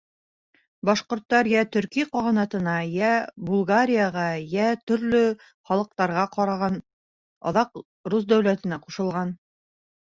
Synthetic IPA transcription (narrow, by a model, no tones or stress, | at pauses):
bɑʃqŏɾt̪ːɑɾjæt̪ɵ̆ɾkiqɑʁɤ̆nɑt̪ɤ̆nɑjæbulˠɡaɾʲijɑʁɑjæt̪ɵ̆ɾlɵ | χɑlˠɤ̆q̚t̪ɑɾʁɑqɑɾɑʁɑn | ɑ̰ðɑq | rus̬d̪æwlæt̪ɘ̆næquʃɤ̆lˠʁɑn